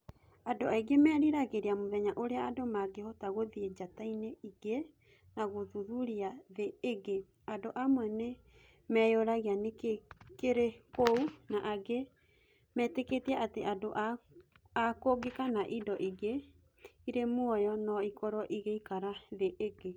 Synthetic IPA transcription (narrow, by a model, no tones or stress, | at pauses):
adoaiɡemɛːɾiɾaɣeɾeamoðɛɲaʔoɾeaadomaɡehɔtaɣoðied͡ʒataineiɡe | naɣoðuðuɾiaðeːɡe | adoʔamwɛne | mɛjoɾaɣeanekekeɾekounaʔaɡe | mɛteketiaʔateʔadoʔa | akoɡekanaʔidɔʔiɣe | iɾemwɔjɔnɔikɔɾɔʔiɣeikaɾaðeʔeɡe